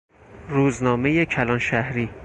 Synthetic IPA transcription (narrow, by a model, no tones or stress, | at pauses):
ɾuːznɒːme̞jecʰælɒnʃæhɾiː